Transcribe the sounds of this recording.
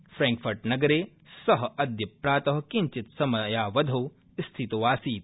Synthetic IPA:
fɾɛːŋkfɐɾʈnɐɡɐɾeː | sɐɦɐd̪jɐpɾaːt̪ɐɦkiɲt͡ʃɪt̪sɐmɐjaːʋɐd̪ʱɐw | st̪ʰit̪uʋaːsiːt̪̚

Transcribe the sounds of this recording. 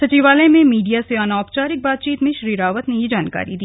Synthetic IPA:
sɐt͡ʃiːʋaːlemẽmiːɖijaseɔnaːpt͡ʃaːɾɪk̚baːt̪t͡ʃiːt̪mẽʃɐɾiːɾaːʋət̪nejid͡ʒaːnka̰ːɾid̪iː

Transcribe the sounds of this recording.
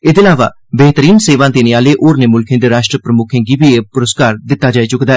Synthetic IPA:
ɪd̪eːlaːʋa̰ː | beːt̪əɾiːnseːʋãːd̪eːnɪaːleːʔoːɾneːmʊlkʰẽːd̪eːɾaːʃʈɾəpɾəmʊkʰẽːɡiːbiepʊɾəskaːɾd̪ɪt̪ːaːd͡ʒaːiːt͡ʃʊkd̪aːɛ

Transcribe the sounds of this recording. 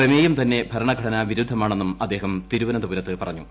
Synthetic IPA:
rɐmeːjumt̪ɐnːe̞bʱɐɾɐɳɐɡʱɐɽɐnaʋiɾud̪ʱːɐmaːɳe̞nːumɐd̪ːeːɦɐmt̪iɾuʋɐnɐd̪ɐʋuɾɐt̪ːɨpɐrɐ̰ɲːu

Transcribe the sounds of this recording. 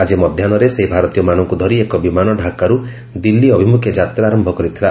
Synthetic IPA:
ad͡ʒimɔd̪ʱjanɔɾeseɦibʱaɾɔt̪ijɔmanɔŋkud̪ʱɔɾiekɔbimanɔɖʱakaɾu | d̪ilːiɔbʱimukʰjɔd͡ʒat̪ɾaɾɔmbʱɔkɔɾit̪ʰɾa

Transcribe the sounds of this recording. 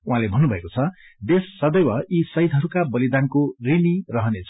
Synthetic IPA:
uɦãlebʱʌnːubʱʌekot͡sʰʌd̪esːʌd̪ʌjwʌisʌjt̪ɦʌɾukabʌlid̪ankorinirʌɦʌnet͡sʰ

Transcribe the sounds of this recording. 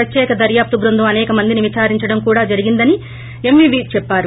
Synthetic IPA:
ɐt̪jɛːkɐd̪ɐɾjaːp̚t̪ubɾund̪umɐnɛːkɐmɐnd̪iniʋit͡ʃaːɾiɲt͡ʃɐɽɐmkuːɽaːd͡ʒɐɾiɡind̪ɐni | emʋiːʋiːt͡ʃɛpːaːɾu

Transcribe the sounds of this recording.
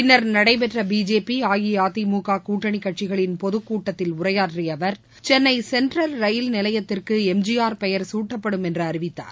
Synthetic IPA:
pɪnːɐɾnɐɽɐɪp̬ɛʈrɐbiːd͡ʒeːpiaːjiaːt̪ːimuːkaːkuːʈːɐɳikːɐʈ̚t͡ʃɪɣɐɭɪnpɔðɯkːuːʈːɐt̪ːɪlʊrɐjaːʈriɐʋɐɾ | t͡ʃɛnːɐɪsɛndrɐlɾɐjɪlnɪlɐjɐt̪ːɪrkɯɛmd͡ʒijaːɾpɛjɐɾsuːʈːɐpːɐɽɯmɛndrɯɐɾɪʋɪt̪ːa̰ːɾ

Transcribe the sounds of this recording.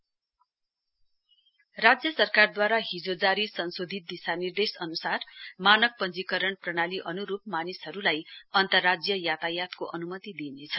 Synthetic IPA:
rad͡zjʌsʌrkard̪waɾaɦid͡zod͡zaɾisʌnsod̪ʱit̪̚d̪isanird̪esʌnusarmanʌk̚pʌnd͡zikʌɾʌɳprʌɽ̃aliʔʌnuɾup̚manisɦʌɾulajʌnt̪ʌrːad͡zjʌjat̪ajat̪koʔʌnumʌt̪id̪inet͡sʰʌ̥

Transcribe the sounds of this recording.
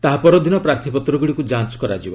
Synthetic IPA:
t̪aɦapɔɾɔd̪ʱinɔpɾaɾt̪ʰipɔt̪ɾɔɡuɽikud͡ʒant͡ʃkɔɾa̰d͡ʒibɔ

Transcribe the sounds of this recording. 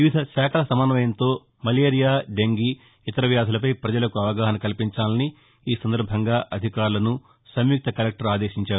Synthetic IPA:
ʋiʋid̪ʱɐʃaːkʰɐlɐsɐmɐnɐʋɐjɐnt̪o̞ː | mɐleːɾijaːɖeŋɡi | it̪ɐɾɐʋjaːd̪ʱɐlɐpɐjpɾɐd͡ʒɐlɐkuɐʋɐɡaːɦɐnɐkɐlpiɲt͡ʃaːlɐni | iːsɐnd̪ɐɾbʱɐŋɡaːʔɐd̪ʱikaːɾulɐnu | sɐmjuk̚t̪ɐkɐɾɐk̚ʈɐɾaːd̪eːʃiɲt͡ʃaːɾu

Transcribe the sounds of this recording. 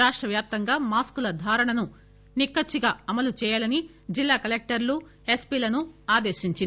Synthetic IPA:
ɾaːʂʈɾɐʋjaːp̚t̪ɐŋɡaːmaːskulɐd̪ʱaːɾɐɳɐnu | nikːɐt͡ʃːiɡaːɐmɐlut͡ʃɛːjaːlɐni | d͡ʒilːaːkɐlek̚ʈɐɾlu | e̞spilɐnuaːd̪e̞ːʃiɲt͡ʃi

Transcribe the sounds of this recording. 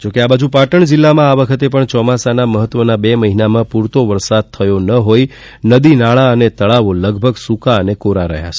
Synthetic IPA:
d͡ʒokeabad͡ʒupaʈəɳd͡ʒilːamãaʋəkʰət̪epəɳt͡ʃɔmasanaməɦət̪ːʋənabeməɦinamãpuɾt̪oʋəɾsad̪̚t̪ʰəjonəɦoj | nəd̪inaɭaənet̪əɭaʋoləɡbʱəɡsukaənekoɾaɾə̰ɦja̰t͡ʃʰe̥

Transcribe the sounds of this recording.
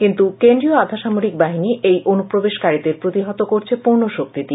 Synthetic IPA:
kint̪ukend̪ɾioad̪ʱaʃamoɾik̚baɦiniʔejʔonupɾobeʃkaɾid̪eɾpɾot̪iɦɔt̪okoɾt͡ɕʰepuɾnoʃok̚t̪it̪i

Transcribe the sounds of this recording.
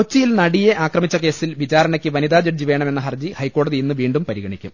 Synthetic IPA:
kot͡ɕːijilnɐɽijeʔaːkrɐmit͡ɕːɐke̞ːsilʋit͡ɕaːɾɐɳɐkʲːɨʋɐniðaːd͡ʑɐʈd͡ʑiʋe̞ːɳɐme̞nːɐɦɐrd͡ʑihɐjkːo̞ːɽɐðiinːɨʋiːɳɖumpɐɾiɣɐɳikʲːṵm

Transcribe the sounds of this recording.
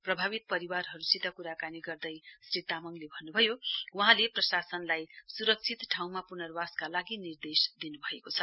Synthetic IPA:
prʌbʱabit̪̚pʌɾiwarɦʌɾusit̪ʌkuɾakaniɡʌrd̪ʌjsrit̪amʌŋlebʱʌnːubʱʌjowaɦãleprʌsasʌnlajsuɾʌk̚t͡sʰit̪ʈʰaw̃mapunʌrwaskalaɡinird̪esd̪inubʱʌekot͡sʰʌ

